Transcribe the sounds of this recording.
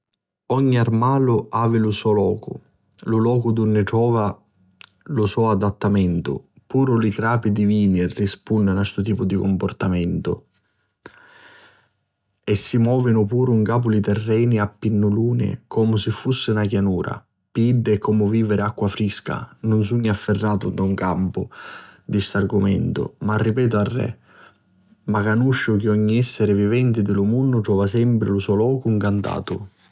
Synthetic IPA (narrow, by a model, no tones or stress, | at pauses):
ɔɲːiarmaːlʊaːvɪlʊsɔlɔːkʊ̰ | lʊlɔːkʊd̪ʊnːɪʈɾɔːva | lʊsɔad̪at̪ːamɛnt̪ʊ̰ | puːɾʊlikɾaːpid̪iviːnirːispunːɪnast̪ʊt̪̬iːpʊd̪ikʊmpʊrt̪amɛnt̪ʊ̰ | ɛsːimwɔːvɪnʊpuːɾuŋkaːp̬ʊlit̪ɛrːɛːniapːinːʊluːnɪ̰kʰɔːmʊsɪfːusːɪnakjanuːɾa̰ | piɖːɪkɔmʊviːvɪɾɪakːwafɾiska̰nʊns̬uɲːafːɪrːaːt̪ʊd̪auŋkampʊd̪ist̪arɡʊmɛ̰nt̪ʊ̰marːipɛːt̪̬ʊarːɛ̰ | makanuʃːʊk̟ɪɔɲːiɛsːeɾɪvivɛnt̪ɪd̪ɪlʊmunːʊt̪ɾɔːvasɛmpɾɪlʊsɔlɔːkʊŋkant̪a̰ːt̪ʊ